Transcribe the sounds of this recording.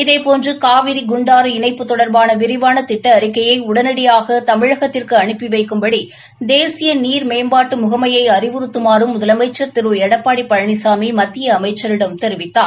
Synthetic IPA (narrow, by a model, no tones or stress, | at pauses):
ɪðɐɪpoːndrɯkaːʋɪɾiɡʊɳɖaːɾɯɪnɐɪpːɯt̪ːɔɽɐɾbaːnɐʋɪɾɪʋaːnɐt̪ɪʈːɐːɾɪkːɐjɐɪʊɽɐnɐɽɪjaːɣɐt̪ɐmɪɻɐɣɐt̪ːɪrkɯɐɳɪpːiʋɐɪkːɯmbɐɽi | d̪eːsɪjɐniːɾmeːmbaːʈːɯmʊɣɐmɐjɐɪɐɾɪʋɯɾɯt̪ːɯmaːɾɯmːʊðɐlɐmɐɪt͡ʃːɐɾt̪ɪɾɯɛɽɐpːaːɽipːɐɻɐɳɪsaːmimɐt̪ːɪjɐːmɐɪt͡ʃːɐɾɪɽɐmt̪ɛɾʋɪt̪ːaːɾ